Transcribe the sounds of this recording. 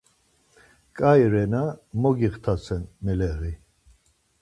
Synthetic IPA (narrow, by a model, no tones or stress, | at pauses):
kʼajɾɛnamɔɡiχt̪ʰat͡sʰɛnmɛlɛʁi